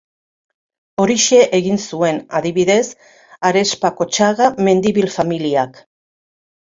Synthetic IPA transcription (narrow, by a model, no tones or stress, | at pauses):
o̞ɾiʃe̞ʔeɣinsue̞naðiβiðe̞s | aɾe̞spako̞t͡ʃaɣame̞nd̪iβilfamiliak